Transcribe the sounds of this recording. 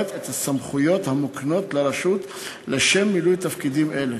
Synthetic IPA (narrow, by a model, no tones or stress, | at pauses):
t̪et̪hasamχujo̞t̪hamukno̞t̪leɾaʃut̪ | leʃemːilujt̪afkid̪imʔe̞le